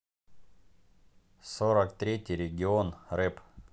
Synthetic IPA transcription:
soɾəkt̪ɾʲetʲɪjɾʲɪɡʲɪonrɛp

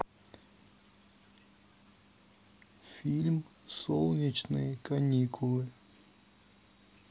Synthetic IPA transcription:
fʲilʲm | solˠnʲit͡ɕnɨ̰jəkɐnʲikʊlˠɨ

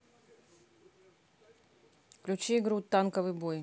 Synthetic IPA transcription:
klʲʉt͡ɕiːɡɾut̪ːankəvɨjboj

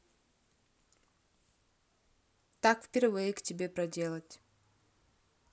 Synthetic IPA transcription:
t̪akfpʲeɾvektʲɪbʲe̞pɾɐdʲe̞lˠətʲ

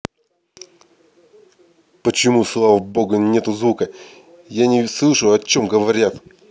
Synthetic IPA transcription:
pət͡ɕɪmuslˠavəbo̞ɡənʲet̪ʊzvukə | janʲɪslˠɨʂʊɐt͡ɕomɡəvɐɾʲat̪

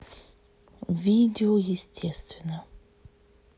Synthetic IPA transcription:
vʲidʲɪojɪsʲtʲʰɛst̪vʲɪnə

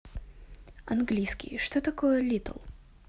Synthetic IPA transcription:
ɐnɡlʲijskʲḭjʂt̪ot̪ɐkojəlʲit̪ə̰lˠ

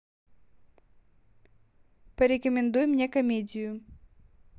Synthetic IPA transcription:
pəɾʲɪkəmʲɪnd̪ujmnʲekɐmʲedʲɪjʊ

